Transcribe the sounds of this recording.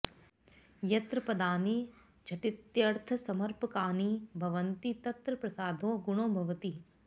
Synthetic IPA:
jɐt̪ɾɐpɐd̪aːni | t͡ʃʰɐʈit̪jɐɾt̪ʰɐsɐmɐɾpɐkaːniːbʱɐʋɐnt̪it̪ɐt̪ɾɐpɾɐsaːd̪ʱoːɡuɳ̃oːbʱɐʋɐt̪i

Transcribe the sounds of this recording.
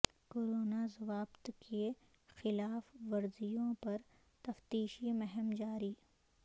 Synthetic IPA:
koːɾoːnazɐʋaːbt̪kʰe | xɪlaːfʋɐɾzijõpɐɾ | t̪ɐft̪iːʃimɛɦɛmd͡ʒaːɾiː

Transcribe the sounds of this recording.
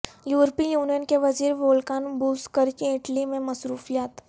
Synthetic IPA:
juːɾpijuːnijənkeʋɐziːɾʋoːlkaːnbuːskəɾkiɪʈlimẽmɐsɾuːfijaːt̪

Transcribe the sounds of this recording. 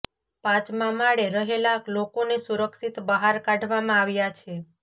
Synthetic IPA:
pãt͡ʃmãmaɭeɾəɦelaklokonesuɾəksit̪bəɦaɾkaɖʱʋamãaʋjat͡ʃʰe

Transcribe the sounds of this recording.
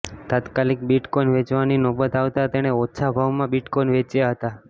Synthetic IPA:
t̪at̪kalik̚biʈkɔjnʋet͡ʃʋaninɔbət̪aʋt̪at̪eɽ̃eɔːt͡ʃʰabʱaʋmãbiʈkɔjnʋet͡ʃjaɦət̪a

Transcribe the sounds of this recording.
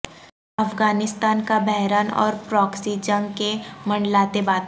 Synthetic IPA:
ɐfɡaːnɪst̪aːnkabɛɦɾaːnɔ̰ːɾpɾɔːksid͡ʒɐ̃ŋɡkemɐ̃ɳɖlaːt̪ebaːt̪

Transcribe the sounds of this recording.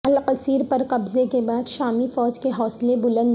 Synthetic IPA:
ɐlqɐsiːɾpɐɾqɐbzekebaːd̪ʃaːmifɔːd͡ʒkeɦɔːslebʊlə̃nd̪

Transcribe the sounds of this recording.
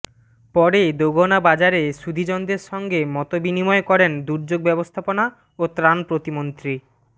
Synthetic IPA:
pɔɾed̪oɡʱonabad͡ʑaɾeʃud̪ʱid͡ʑɔnd̪eɾʃɔŋɡemɔt̪obinimɔekɔɾend̪uɾd͡ʑoɡ̚bɛbost̪ʰapona | ot̪ɾanpɾot̪imont̪ɾi

